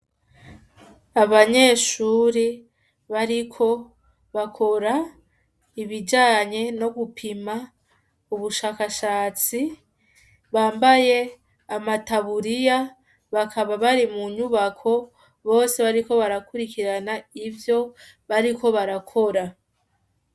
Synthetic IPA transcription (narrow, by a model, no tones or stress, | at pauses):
aβaɲe̞ːʃuːɾi | βaɾikʰo̞ | βakʰo̞ɾa | iβid͡ʒaːɲe̞no̞ɡupʰima | uβuʃaːkaʃaːt͡si | βaːmbaje̞ | amataβuɾija | βakʰaβaβaɾimuɲuβakʰo̞ | βo̞ːse̞βaɾiko̞βaɾakuɾikiɾanaivjo̞ | βaɾikʰo̞βaɾakʰo̞ɾa